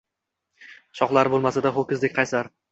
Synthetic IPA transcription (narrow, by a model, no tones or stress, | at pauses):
ʃɒqlˠaɾbolˠmasad̪aχokʲɪzlɪk̚ʲqʰɑjsaɾ